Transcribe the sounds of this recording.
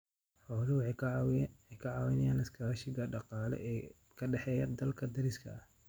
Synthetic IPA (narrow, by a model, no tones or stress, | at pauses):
ħɔːlɪw | ɛjkʰɐʕɑːwɪnɐjaːnɐskʰɐʃɪɣɐɖɑqɑːlɛ̰ | kʰɐɖɛħɛːjɐd̪ɐlkʰɐd̪ɐɾɪskʰɐ̰ɐh